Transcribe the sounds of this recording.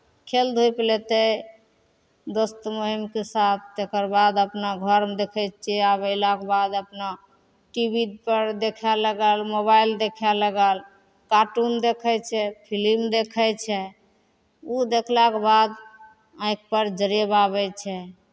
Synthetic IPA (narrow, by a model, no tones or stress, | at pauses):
kʰeld̪ʱuplet̪ə | d̪ost̪moɦimkesat̪ʰt̪ekəɾbad̪əpnaɡʱəɾmed̪ekʰɛt̪̚t͡ʃʰɛaβəɪlakebad̪əpna | ʈibid̪pəɾd̪ekʰɛləɡəlmoβajld̪ekʰɛləɡəl | kaʈund̪ekʰɛt͡ʃʰɛpʰilimd̪ekʰɛt͡ʃʰɛ | ud̪ekʰlakebad̪ | ãĩk̚pəɾd͡ʒəɾebaβɛt͡ʃʰɛ